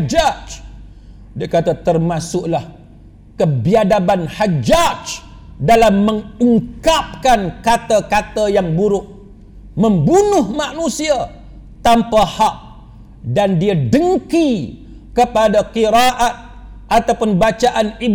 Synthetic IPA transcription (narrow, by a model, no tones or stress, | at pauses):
d͡ʒad͡ʒ | diakat̪at̪ərmasʊʔlah | kəbiadabanhad͡ʒad͡ʒ | dalamːə̃ŋuŋkap̚kankat̪akat̪ajaŋbuɾʊʔ̚ | mə̃mbunʊhmanũsia | t̪ampahak̚ | dandiadəŋki | kəpadaqiɾaʔat̪̚ | ʔat̪awpʊnbat͡ʃaʔanib